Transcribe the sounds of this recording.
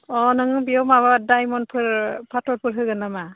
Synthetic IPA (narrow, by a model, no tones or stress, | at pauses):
ɔnɯŋɯbiɔmaβadajmɔnpʰɯɾpʰatɔɾpʰɯɾɦɯɡɯnama